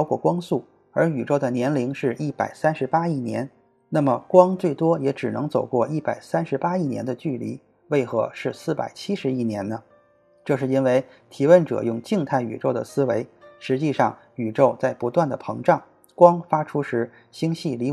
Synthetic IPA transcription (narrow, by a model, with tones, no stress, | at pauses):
ʊkwɔ˥˩kwɑ˥ŋsu˥˩ | ə˞˧˥y˨˩ʈ͡ʂo˥˩ʊə˩njɛ˧˥nli˧˥ŋʂɻ̩˥˧ʔi˥˩pa˨˩ɪsa˥nʂɻ̩˧˥pa˥i˥˩njɛ̰˧˥n | na˥˩mə˩kwɑ˥ŋt͡swe˥˩ɪt̪wɔ˥jɛ˧˥ʈ͡ʂɻ̩˨˩nɤ˧˥ŋt͡so˨˩ʊkwɔ˥˧i˥˩pa˨˩ɪsa˥nʂɻ̩˧˥pa˥i˥˩njɛ˧˥nd̪ə˧t͡ɕy˥˩lḭ˧˥ | we˥˩ɪxɤ˧˥ʂɻ̩˥˧sɹ̩˥˩pa̰˨˩ɪt͡ɕʰi˥ʂɻ̩˧˥i˥njɛ˧˥nnə˧ | ʈ͡ʂɤ˥˧ʂɻ̩˥˩i˥nwe˥˧˩ɪ | t̪ʰi˧˥wə˥˩nʈ͡ʂɤ̰˨˩jʊ˥˧ŋt͡ɕi˥˧ŋt̪ʰa˥˩ɪy̰˨˩ʈ͡ʂo˥˩ʊd̪ə̰˩sɹ̩˥we˧˥ɪʂɻ̩˧˥t͡ɕi˥˧ʂɑ˥˩ŋ | y˨˩ʈ͡ʂo˥˧ʊt͡sa˥˩ɪpu˧˥t̪wa˥˩nd̪ə˩pʰɤ˧˥ŋʈ͡ʂɑ˥˩ŋ | kwɑ˥ŋfa˥ʈ͡ʂʰu˥ʂɻ̩˧˥ | ɕi˥ŋɕi˥˩li˧˥